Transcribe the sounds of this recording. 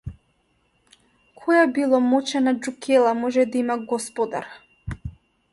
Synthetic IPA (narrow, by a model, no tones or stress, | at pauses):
kʰɔjabilˠɔmɔt͡ʃɛnad͡ʒukʰɛlˠamɔʒɛd̪aimaɡɔspɔd̪a̰ɾ